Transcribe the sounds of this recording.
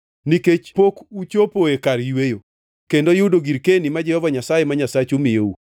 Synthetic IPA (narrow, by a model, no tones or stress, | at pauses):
niket͡ʃpokut͡ʃopoekaɾjwejo | kendojudoɡiɾkenimad͡ʒɛhɔvaɲasajemaɲasat͡ʃumɪjou